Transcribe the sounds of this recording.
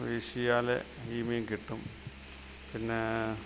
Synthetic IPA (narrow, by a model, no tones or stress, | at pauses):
ʋeːɕijaːlḛ | hiːmiŋkiʈːum | pinːe